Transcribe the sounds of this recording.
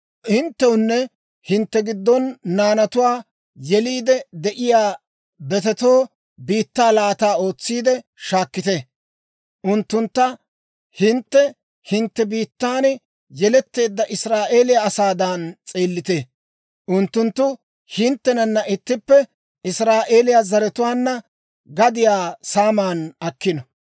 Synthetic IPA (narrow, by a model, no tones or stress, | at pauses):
hɪnt̪ːɛʊnːɛ | hɪnt̪ːɛɡɪd̪ːɔnːaːnɐt̪ʊwaː | jɛliːd̪ɛd̪ɛʔɪjaː | bɛt̪ɛt̪o̞ː | biːt̪ːaːlaːt̪aːo̞ːt͡sːiːd̪ɛʃaːkːɪt̪ɛ | ʔʊnt̪ːʊnt̪ːɐ | hɪnt̪ːɛ | hɪnt̪ːɛbiːt̪ːaːn | jɛlɛt̪ːe̞ːd̪ːɐʔɪsɾaːʔe̞ːlɪjaɐsaːd̪ant͡sʼeːlːɪt̪e | ʔʊnt̪ːʊnt̪ːʊ | hɪnt̪ːɛnɐnːɐʔɪt̪ːɪpːɛ | ɪsɾaːʔe̞ːlɪjazɐɾɛt̪ʊwaːnːɐ | ɡɐd̪ɪjaːsaːmaːnɐkːɪnɐ